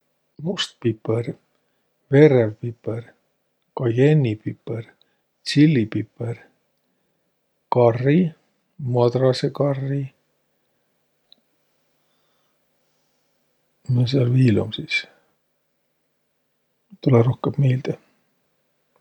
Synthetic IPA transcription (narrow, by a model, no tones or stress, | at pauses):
must̪̚pipːer | verevpipːer | kɑjenʲːipipːer | t̪silːipipːer | kɑrːi | mɑd̪rɑsekɑrːi | mɑseɑlviːlumsiːs | t̪ulɛɾohkemmejld̪̥e